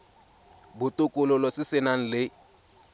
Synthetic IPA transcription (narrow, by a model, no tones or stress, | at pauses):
bʊtʊkʼʊlʊlɔsɪsɪnaŋ̩lɪ